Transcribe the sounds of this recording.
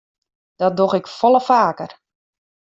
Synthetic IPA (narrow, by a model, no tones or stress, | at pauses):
d̥ɔt̚doɣɪkfɔlˠəfaːkər